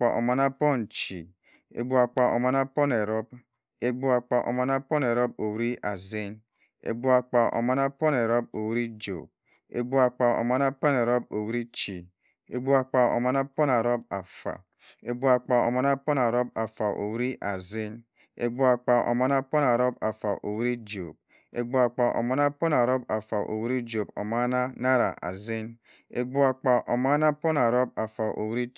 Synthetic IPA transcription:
k͡pa˨ʔo̰˨ma˨na˦pɔ˦n˨t͡ʃi˨ | ḛ˨ɡ͡bu˦a˨k͡pa˨o̰˨ma˨na˦pɔ˦ne˨ɾɔ˦b | e˦ɡ͡bu˦a˨k͡pa˨ʔo̰˨ma˨na˦pɔ˦ne˨ɾo˦b̚o˨wɾi˦ʔa˨ze˦n | ḛ˨ɡ͡bu˦a˨k͡pa˨ʔo̰˨ma˨na˦pɔ˦ne˨ɾo˦bo˨wɾi˦d͡ʒo̰˨ | ḛ˨ɡ͡bu˦a˨k͡pa˨o̰˨ma˨na˦pɔ˦ne˨ɾo˦bo˨wɾi˦t͡ʃi˨ | ḛ˨ɡ͡bu˦a˨k͡pa˨o̰˨ma˨na˦pɔ˦na˨ɾo˦ba˨fa̰˨ | e˨ɡ͡bu˨a˨k͡pa˨o̰˨ma˦na˦po˦na˨ɾo˦b̚a˨fa˨ʔo̰˨wɾi˦ʔa˨zi˦n | ḛ˨ɡ͡bu˦a˨k͡pa˨ʔo̰˨ma˦na˦po˦na˨ɾo˦ba˨fa˨ʔo˨wɾi˦d͡ʒo˨b̚ | ḛ˨ɡ͡bu˨a˨k͡pa˨ʔo̰˨ma˦na˦po˦na˨ɾo˦ba˨fa˨ʔo̰˨wɾi˦d͡ʒo˨bo̰˨ma˦na˦na˦ɾa̰˨ʔa̰˨zi˦n | ḛ˨ɡ͡bu˦a˨k͡pa˨ʔo˨ma˦na˦po˦na˨ɾo˦b̚a˨fa˨ʔo̰˨wɾi˦

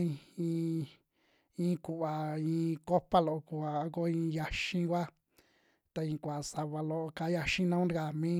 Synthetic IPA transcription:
ĩ˧ĩ˧ | ĩː˦ku˨ʔβa˨ĩː˧ko˦pa˦lo˨o˧ku˨a˨˧ko˦ĩ˧ja˧ʃĩ˦kʷa˦ | t̪a˧ĩ˧kʷa˨sa˧βa˧lo˧o˧ka˧˦ja˧ʃĩ˦nã˦ɾka˧˨mĩ˦

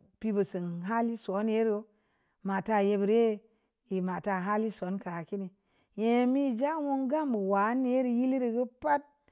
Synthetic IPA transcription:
pi˧bə˨sɨ˨nɦa˦li˦so˨˦ne˦ɾo˦ | ma˨ta˧˨je˧bə˨ɾe˦˨ | i˨ma˨ta˧˨ɦa˦li˦so˨˦nka˨ki˦ni˨ | je˨mi˦˨d͡ʒa˦wo˦ŋɡa˦mbə˨wa˨˦ne˦ɾi˨ji˦li˦ɾi˧ɡə˦pa˦t̚

